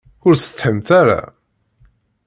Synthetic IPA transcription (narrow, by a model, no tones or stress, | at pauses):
ʊɾsə̥t̪ːħəmt̪aɾa̰